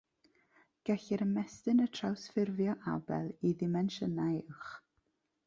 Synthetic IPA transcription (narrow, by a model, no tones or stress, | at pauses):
ɡ̥ɛɬɪɾəmɛstɨnətʰr̥awsfɪrvjɔʔa̰bɛ̰lˠiðɪmɛnʃənajɪwχ